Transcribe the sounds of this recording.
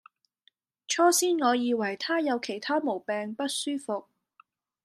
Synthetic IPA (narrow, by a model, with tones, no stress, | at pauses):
t͡ʃʰɔː˥siː˥nŋɔː˨˧jiː˨˧wɐ˨˩jt̪ʰaː˥jɐ˨˧wkʰe˨˩jt̪ʰaː˥mo˨˩wpɛː˨ŋpɐ˥t̚syː˥fʊ˨k̚